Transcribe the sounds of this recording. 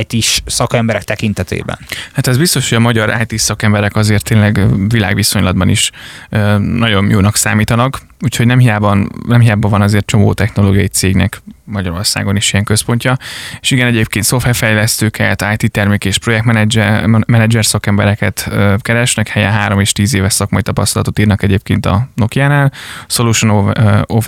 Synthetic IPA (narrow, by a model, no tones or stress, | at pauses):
jt̪iʃsɒkɛmbɛɾɛk̚t̪ɛkint̪ɛt̪ḛːbɛ̰nhat̪ɛzbist̪o̞ʃhoɟɒmɒɟɒɾʔa̰ːjt̪iːsɒkɛmbɛɾɛkɒzeːrt̪ːeːnlɛɡvila̰ːɡʋiso̞ɲlɒd̪bɒnḭʃønɒɟo̞njoːnɒksa̰ːmiːt̪ɒnɒk | uːcʰhoɟnɛmɦijaːbɒnnɛmɦijaːbɒvɒnɒzeːrt̪̚t͡ʃo̞mo̰ːt̪ɛxno̞loːɡijɒjit̪seːɡnɛ̰kmɒɟɒɾo̞rsa̰ːɡo̞niʃijɛŋkø̞spo̞ɲcɒeʃiɡɛnɛɟeːp̚keːnt̪so̞fɛfɛjlɛst̪øːkʰɛ̰t̪aːjt̪iːt̪ɛrmikeːʃpro̞jɛk̚t̪mɛnɛmɛnɛd͡ʒɛrsɒkɛmbɛɾɛkɛt̪øːkɛɾɛʃnɛkhɛjɛ̰nɦaːɾo̞meːʃt̪iːzeːvɛʃsɒkmɒjit̪ɒpɒst̪ɒlɒ̰t̪o̞t̪iːrnɒkɛɟeːp̚keːnt̪ɒ̰no̞kijaːnaːlsoluʃonof